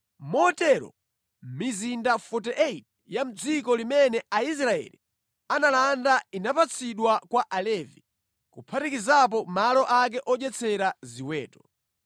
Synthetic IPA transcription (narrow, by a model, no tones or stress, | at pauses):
mɔtɛɾɔ̰ | m̩mizindafɔt̬ɛʔɛit̚ | jam̩d͡zikɔlimɛnɛais̬ɾaɛ̰lḭ | analandainapat͡sʰiɗwakwaʔalɛvi | kupʰatikizap̬ɔmalɔʔak̬ɛʔɔʄɛt͡sʰɛɾaziwɛːtɔ̥